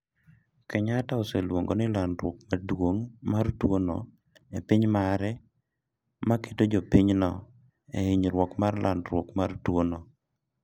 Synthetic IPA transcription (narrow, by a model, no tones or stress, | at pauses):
kɛɲataoselwoŋɡonɪlandɾwok̚madwoŋmartwono̰ | epɪɲmaɾɛ | make̥tod͡ʒopiɲnɔ̰ | ḛɪɲɾwɔkmarlʔa̰ndɾwokmartwono